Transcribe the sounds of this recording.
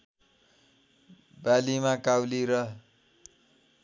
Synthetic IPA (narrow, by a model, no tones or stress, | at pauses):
balimakawliɾʌ